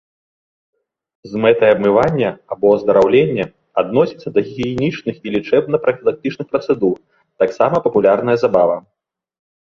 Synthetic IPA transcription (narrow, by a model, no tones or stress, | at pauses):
zmɛt̪ɐjɐbmɨvanʲːɐabɔzd̪ɐɾawlʲenʲːɐ | a̰d̪nɔsʲit̪sːɐd̪ɐɣʲɣʲiɛnʲit͡ʂnɨxilʲit͡ʂɛbnɐpɾɐfʲilˠak̚t̪ɨt͡ʂnɨxpɾɐt̪sɛd̪ur | t̪aksamɐpɐpulʲarn̪ɐjɐzabavɐ